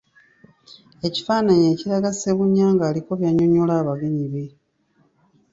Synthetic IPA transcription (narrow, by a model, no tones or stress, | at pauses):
e̞ci̥faːnaɲe̞ːciɾaɡase̞βuɲːaːŋɡaːliko̞βjaɲo̞ɲolaːβaɡe̞ɲiβe̞